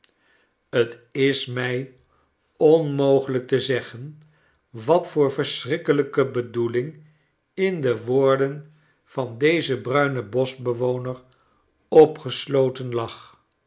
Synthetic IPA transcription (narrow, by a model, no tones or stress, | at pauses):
ətɪsmɛj | ɔnmowχələk̚təzɛχən | ʋɑtfʊːɹvəɹsrɪkələkəbədulɪŋ | ɪndəʋoːɹdən | v̥ɑndejzəbrœɥnəbɔsbəʋownəɹ | ɔpχəslowtənlɑχ